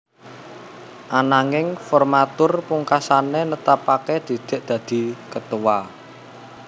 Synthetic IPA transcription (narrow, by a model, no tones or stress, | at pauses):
ʔanaŋɪŋfɔrmat̪ʊrpuŋkasanenət̪apaked̪̥i̤d̪̥e̤ʔd̪̥ä̤d̪̥i̤kət̪uwa